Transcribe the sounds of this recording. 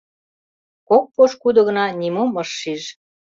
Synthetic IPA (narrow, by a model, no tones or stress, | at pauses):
kok̚poʃkud̪ɤ̆ɣə̆nɑnʲimomɤʃːiʒ